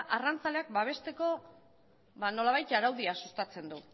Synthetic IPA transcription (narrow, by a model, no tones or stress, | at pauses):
ʔarant͡sale̞akbaβ̞e̞st̪e̞ko̞ | βano̞laβajt̪aɾawðiasust̪at͡se̞nd̪u